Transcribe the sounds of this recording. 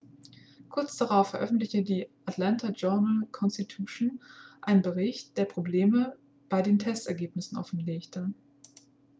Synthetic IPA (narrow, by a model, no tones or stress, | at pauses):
kʰʊɐt͡sd̥aʁaʊfːɛɐʔœfn̩tlɪçədiːʔatlantʰad͡ʒœɐnəlkʰɔnstitʰuːʃnʔaɪnənbəʁɪçt̚d̥eːɐpʁ̥obleːmə | b̥aɪdeːntʰɛstɛɐɡeːpnɪsn̩ʔɔ̰fn̩leːçtʰə